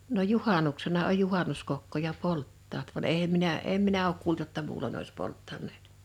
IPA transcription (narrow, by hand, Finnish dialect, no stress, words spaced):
no juhɑˑnuksenɑ oj juhɑˑnuskokːojɑ poltːɑːt ʋɑn eh̆em minæ em minæ oːk kuːlt jotːɑ muːlon ois poltːɑnˑeːt